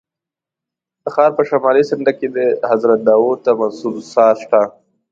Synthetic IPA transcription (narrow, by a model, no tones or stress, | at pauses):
d̪̥əxɑːɾpəʃamɑːlisɪɳɖaked̪əhazɾat̪̚d̪ɑwot̪amansubsɑːʃʈ̪a